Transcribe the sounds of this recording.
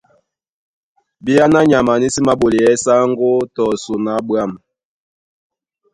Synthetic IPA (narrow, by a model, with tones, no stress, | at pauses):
bi˦ja˦na˦ɲa˨ma˨ni˦si˦ma˦bo˨li˨jɛ˦sa˦ŋɡo˦tɔ˨su˨na˨˦bwa˦˨m